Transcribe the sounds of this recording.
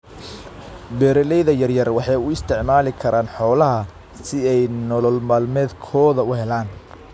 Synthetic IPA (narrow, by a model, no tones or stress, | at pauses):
bɛːɾɛlɛjðɐjɐrjɐrwɑħɑjʊɪst̪ʰɪʕmaːlɪkʰɐɾʔaːnħɔːlɐɦɐ | sɪɛjnɔlɔlmaːlmɛːd̪kʰɔːðɐʊɦɛlaːn